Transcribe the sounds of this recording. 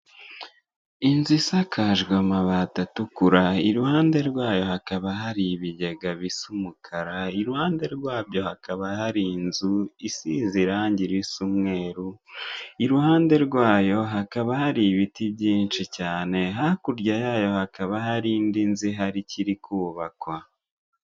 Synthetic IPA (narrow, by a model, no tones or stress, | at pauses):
inzisakʰaʒɡwamaβaːtatukuɾaiɾuhaːnde̞ɾɡwaːjo̞hakaβaɦaɾiβiɟeɡaβisumukʰaɾaiɾuhaːnde̞ɾɡwaːbɟo̞hakʰaβahaɾinzuisiziɾaːɲɟiɾisumŋe̞ːɾu | iɾuhaːnde̞ɾɡwaːjo̞ɦakaβahaɾiβitibɟiːnʃicaːne̞ɦakuɾɟajaːjo̞hakaβaɦaɾindinziɦaɾiciɾikʰuːβakwa